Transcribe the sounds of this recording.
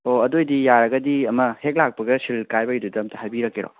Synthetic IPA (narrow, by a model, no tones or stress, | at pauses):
oɐdojdijaɾɐɡɐdiɐmɐhek̚lak̚pɐɡɐsilkajbɐidudɐmtʰɐɦajbiɾɐkːeɾo̰